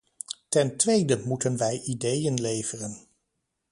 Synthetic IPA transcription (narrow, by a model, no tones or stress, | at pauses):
tɛntʋejdəmutənʋɛjʔidejənlejv̥ərən